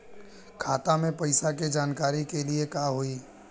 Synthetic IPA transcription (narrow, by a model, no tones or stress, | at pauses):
kʰaːt̪amẽpɐɪsaked͡ʒaːnkaːɾikeliekaːɦoiː